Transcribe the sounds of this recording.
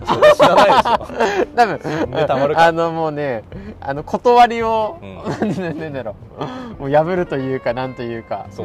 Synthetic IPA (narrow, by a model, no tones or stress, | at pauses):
t̪abɯ̟̃ɯ̃ano̞mo̞ːne̞a̰no̞kʰo̞t̪oβaɾʲio̞nãnãnd̪aɾo | moːjaβɯ̟ɾɯ̟t̪o̞jɯ̟ːkanãnt̪o̞jɯ̟ːka̰